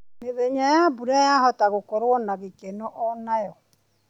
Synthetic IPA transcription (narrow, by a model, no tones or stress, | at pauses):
neðɛɲajabuɾajaɦɔtaɣokɔɾwɔnaɣekɛnɔʔɔnajɔ